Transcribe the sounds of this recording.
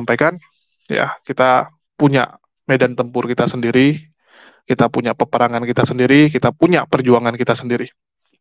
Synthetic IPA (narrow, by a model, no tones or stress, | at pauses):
mpajkan | ja̰kit̪a | puɲa̰ʔ | medant̪əmpʊrkit̪asəndiɾi | kit̪apuɲapəpəɾaŋankit̪asəndiɾikit̪apuɲapərd͡ʒuaŋankit̪asəndiɾi